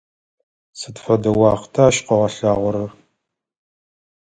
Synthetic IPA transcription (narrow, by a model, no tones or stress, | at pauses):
sɨtfɐdɐwɑːχtʰaːʃqɐʁɐɬaːʁʷʊɾɐr